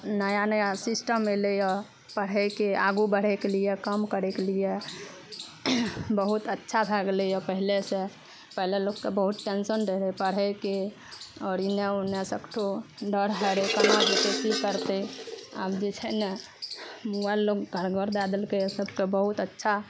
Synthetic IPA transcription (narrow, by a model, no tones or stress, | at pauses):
nəjanəjasisʈəmːelejɔ | pəɽɦɛkeaɡubəɽ̤ekelijekəmkəɾekelije | bəɦut̪ətːʃʰabʱaɡləjɔpəɦilesẽ | pəɦilelokːebəɦut̪̚ʈensənɖəɾepəɽɦɛke | ɔːɾineonesəkʰʈʰoɖəɾɦəɾekənad͡ʒekesikəɾt̪ea̰bd͡ʒet͡ʃʰəne | mualokɡʱəɾɡəɾd̪ad̪əlkesəbkebəɦut̪ətːʃʰa